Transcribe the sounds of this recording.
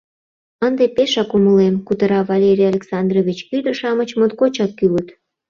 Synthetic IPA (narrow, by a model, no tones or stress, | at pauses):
ənd̪epeʃɑkuməlemkut̪əɾɑvɑlʲeɾʲialʲeksɑnd̪roβʲit͡ɕyd̪ə̆ʃɑmət͡ɕmot̪kot͡ɕɑkːylət̪